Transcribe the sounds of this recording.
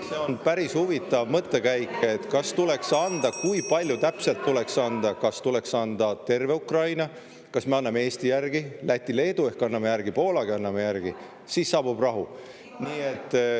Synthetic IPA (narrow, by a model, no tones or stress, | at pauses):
se̞o̞npæɾishuvit̪ːˑɑvmɤt̪ːe̞kæjke̞t̪ˑkɑst̪ule̞ksɑnd̪̥ɑkujpɑlʲjut̪æpse̞lt̪ːule̞ksɑnd̪̥ɑkɑst̪ule̞ksɑnd̪̥ɑt̪e̞rve̞ukrɑjnɑ | kɑsmeɑnːɑmee̞ːst̪ijærɡ̥ilæt̪ʲːˑile̞ːd̪ue̞hkɑnːɑmejærɡ̥ipo̞ːlɑɡiɑnːɑmejærɡ̥i | siːsːɑːb̥ub̥rɑɦu | niːe̞t̪ːˑ